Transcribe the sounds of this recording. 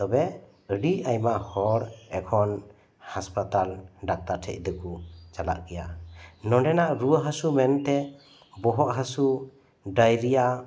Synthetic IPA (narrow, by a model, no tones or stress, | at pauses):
t̪ɔbɛ | əɽiajmaʔhɔɾɛkʰɔn | haspat̪alɖak̚t̪aɾʈʰɛ̰c̚d̪əkut͡ʃala̰ʔkɛjanɔɖɛnaʔɾuəɦasumɛnt̪ɛ | bɔɦɔʔɦasu | ɖajɾija